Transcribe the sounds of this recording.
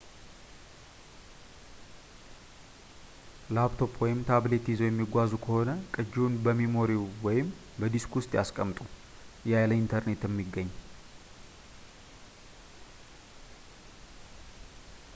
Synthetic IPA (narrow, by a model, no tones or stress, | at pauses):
labt̪ʰo̞pʰwɔjɪmt̪ʰaβle̞t̪izojɛmːiɡʷazukʰəho̞nəkʼɨd͡ʒnbəmimo̞ɾewwɔjɪm | bəd̪iskʊst̪ʼja̰skʼəmt̪ʼujajləint̪ʰəɾne̞t̪jɛmːiɡːəɲː